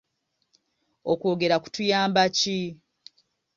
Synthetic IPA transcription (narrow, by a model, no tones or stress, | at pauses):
okwoːɡe̞ɾaku̥tujaːmbaci